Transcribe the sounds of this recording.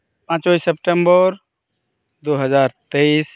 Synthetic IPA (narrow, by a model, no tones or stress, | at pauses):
pãːt͡ʃoisep̚ʈə̃mbəɾ | d̪oːɦəzaːɾt̪eis